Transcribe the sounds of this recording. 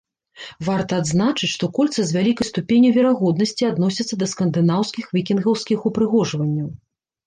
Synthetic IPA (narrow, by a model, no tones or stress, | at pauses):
vart̪ɐːd̪znat͡ʂɨt͡sʲʂt̪ɔkɔlʲt̪sɨzʲvʲalʲikɐjst̪upʲenʲjuvʲɛɾaɣɔd̪nɐsʲt͡sʲiad̪nɔsʲɐt̪sːɐd̪ɐskɐnd̪ɨnawskʲixvʲikʲinɣɐwskʲixupɾɨɣɔʐvɐnʲːɐw